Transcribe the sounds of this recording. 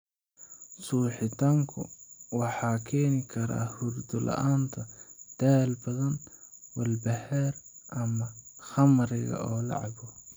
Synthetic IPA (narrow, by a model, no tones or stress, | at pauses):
suːħɪt̪ʰaːŋkʰʊ̰wɑħɑːkʰɛːnɪkʰɐɾa̰ːhʊrd̪ʊlɐ̰ʔaːnt̪ʰɐd̪̥aːlbɐðɐnwɐlbɐhɛɾʔɐmɐχɐmɾɛɣɐ̰ʔɔːlɑ̰ʕɑbɔ